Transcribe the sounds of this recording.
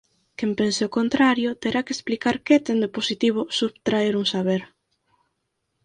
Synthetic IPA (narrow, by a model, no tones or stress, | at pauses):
kempenseokont̪ɾaɾjʊt̪eɾakesplikaɾket̪end̪eposit̪iβ̞osuβt̪ɾaeɾuŋsaβeɾ